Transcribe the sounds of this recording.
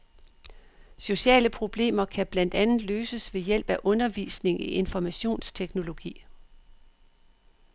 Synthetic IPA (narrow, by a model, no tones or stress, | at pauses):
so̝ɕɛ̰ːləpʰʁo̝b̥le̝̰ːmɐkʰæb̥læn̰d̥ænð̩ˠløːsəsʋe̝jel̰b̥æʔɔ̽nɐʋḭːsne̝ŋiʔe̝nfɒmæɕo̝̰ːnst͡sʰeɡ̥no̝lo̝ɡ̥ḭː